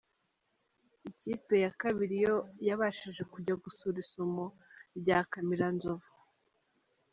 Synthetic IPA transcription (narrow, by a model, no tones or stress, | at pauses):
iciːpe̞jakaβiɾijo̞jaβaʃiʒe̞kuɟaɡusuɾisomo | ɾɟaːkamiɾanzovu̥